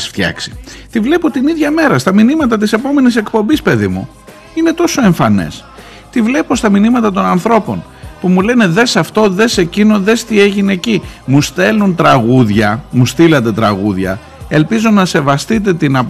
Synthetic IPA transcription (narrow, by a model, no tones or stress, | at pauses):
sft̪çɐ̰ksi̥t̪ivle̞po̞t̪iniðʝɐme̞ɾɐst̪ɐminimɐt̪ɐt̪̬ise̞po̞me̞nise̞kpo̞mbispe̞ðḭmṵ | ine̞t̪o̞so̞e̞ɱfɐnḛs | t̪ivle̞po̞st̪ɐminimɐt̪ɐt̪̬o̞nɐnθɾo̞po̞̰n | pumule̞ne̞ðe̞sɐft̪o̞ðe̞se̞cino̞ðe̞st̪ie̞ʝine̞cimust̪e̞lunt̪ɾɐɣuðʝɐmust̪ilɐt̪̬e̞t̪ɾɐɣuðʝɐ̰ | e̞lpizo̞nɐse̞vɐst̪it̪̬e̞t̪inɐp